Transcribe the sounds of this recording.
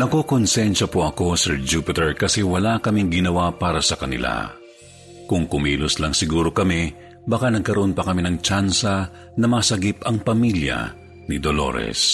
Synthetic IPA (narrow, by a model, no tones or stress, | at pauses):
nɐkokonsɛnʃɐpoʔɐko̞sɛɹd͡ʒupɪt̪ɛɹkɐsɛwɐlakɐmiŋɡɪnɐwapaːɾɐsɐkɐnɪ̰la̰ | kʊŋkʊmiːlʊslɐŋsɪɡuːɾo̞kɐmi | bɐkanɐɡ̚kɐɾoʔonpɐkɐminɐŋt͡ʃansɐ | nɐmɐsɐɡipɐŋpɐmiljɐ̰ | nɪd̪olo̞̰ɾɛ̰s